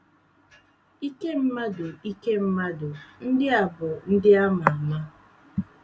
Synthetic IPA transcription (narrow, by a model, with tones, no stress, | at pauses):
i˦ke˦m̩˦ma˦do˨i˦ke˦m̩˦ma˦dʊ˨n̩˦dɪ˦a˨bʊ˨n̩˦dɪ˦a˦ma˨a˨ma˦